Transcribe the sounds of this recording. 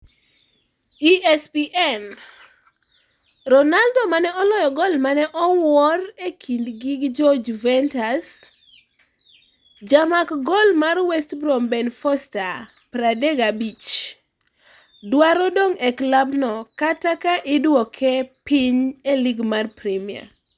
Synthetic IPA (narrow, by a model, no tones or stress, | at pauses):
iʔɛspiʔɛn | ɾɔnaldomanɛɔlɔjɔɡɔlmanɛʔɔwɔrekʰindɡɪɡd͡ʒɔd͡ʒvɛntas | d͡ʒamakɡɔlmarwɛstbɾɔmbɛnfɔsta | pɾadɛɡabit͡ʃ | dwaɾɔdoŋɛklabnɔkatakaʔɪdwɔkʰɛpɪɲeliɡmarpɾimia̰